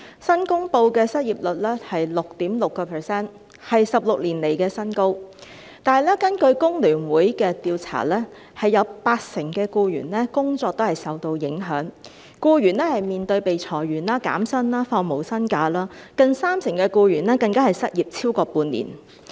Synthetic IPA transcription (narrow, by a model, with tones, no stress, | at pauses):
sɐ˥nkʊ˥ŋpo˧wkɛː˧sɐ˥t̚jiː˨˩p̚lɵ˨t̚lɛː˥hɐ˨jlʊ˨k̚t̪iː˨˥mlʊ˨kːɔː˧pʰɛ˨˩sɛː˥n | hɐ˨jsɐ˨p̚lʊ˨k̚liː˨˩nle˨˩jkɛː˧sɐ˥nko˥w | t̪aː˨jlɛ˥kɐ˥nkɵ˧ɥkʊ˥ŋlyː˨˩nwuː˨˥jkɛː˧t̪iː˧wt͡sʰa̰ː˨˩lɛː˥ | hɐ˨jːɐ˨˧wpaː˧t̚sɪ˨˩ŋkɛː˧kuː˧ɥyː˨˩nlɛː˥kʊ˥ŋt͡sɔː˧k̚t̪o˥hɐ˨jsɐ˨wt̪o˧wjɪ˨˥ŋɦœː˨˥ŋ | kuː˧ɥyː˨˩nɛː˥hɐ˨jmiː˨˩nt̪ɵ˧ɥpe˨jt͡sʰɔː˨˩jɥyː˨˩nlaː˥ka̰ː˨˥msɐ˥nlaː˥fɔː˧ŋmo˨˩wsɐ˥nkaː˧laː˥kɐ˨˧ŋsaː˥msɪ˨˩ŋkɛː˧kuː˧jyː˨˩nlɛː˥kɐ˧ŋkaː˥hɐ˨jsɐ˥t̚jiː˨p̚t͡sʰiː˥wkɔː˧puː˧nlḭː˨˩n